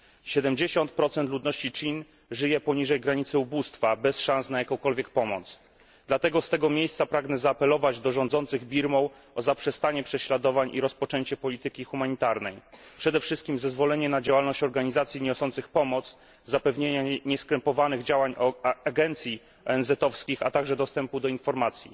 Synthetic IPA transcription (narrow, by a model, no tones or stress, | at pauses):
ɕɛd̪ɛmd͡ʑeɕɔnt̪̚pɾɔt̪sɛnt̪lud̪nɔɕt͡ɕit͡ʂin | ʐɘjɛpɔɲiʐɛjɡɾaɲit̪sɘubust̪fabɛsʂãnsnajakɔ̃w̃kɔlvʲjɛk̚pɔmɔ̰t̪s | d̪lat̪ɛɡɔst̪ɛɡɔmʲjejst̪sapɾaɡnɛzaːpɛlɔvad͡ʑd̪ɔʐɔ̃nd̪zɔnt̪sɘɣbʲiɾmɔw | ɔzapʂɛst̪aɲɛpʂɛɕlad̪ɔvaɲʔiɾɔspɔt͡ʂɛɲt͡ɕɛpɔlʲit̪ɘkʲixumaɲit̪aɾnɛjpʂɛd̪ɛfʂɘst̪̚kʲimzɛzvɔlɛɲɛnad͡ʑawalnɔɕt͡ɕɔɾɡaɲizat̪sʲjiɲɔsɔnt̪sɘxpɔmɔt̪z | zapɛvɲeɲaɲɛskɾɛmpɔvanɘɣd͡ʑawaɲaɡɛnt̪sʲji | ɔɛnzɛt̪ɔfskʲixa̰t̪aɡʐɛd̪ɔst̪ɛmpud̪ɔinfɔɾmat̪sʲjḭ